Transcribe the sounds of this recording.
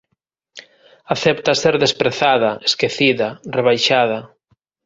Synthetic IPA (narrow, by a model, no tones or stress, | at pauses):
aθɛp̚t̪aseɾðespɾeθaðɐʔeskeθiðɐreβ̞ajʃað̞ɐ